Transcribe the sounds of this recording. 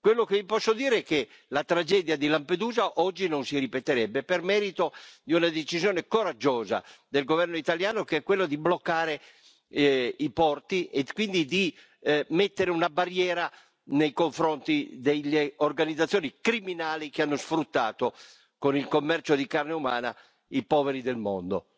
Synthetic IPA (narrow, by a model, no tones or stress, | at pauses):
kwelːokevipɔsːod̪iːɾeɛke | lat̪ɾad͡ʒɛd̪jad̪ilamped̪uːzaʔɔd͡ʒːinonsiɾipet̪eɾɛbːepermɛːɾit̪od̪iunad̪et͡ʃizjoːnekoɾad͡ʒːoːza̰d̪elɡovɛrnoit̪aljaːnokeɛkːwelːod̪iblokːaːɾe | ipɔrt̪iʔekwind̪id̪i | met̪ːeɾeunabarjɛːɾa | nejkoɱfɾont̪id̪elːeorɡanid̪zat̪sːjoːnikɾiminaːlik̟eanːosfɾut̪ːa̰ːt̪o | konilkomːɛrt͡ʃod̪ikarneuma̰ːna̰ | ipɔːveɾid̪elmɔ̰nd̪o̰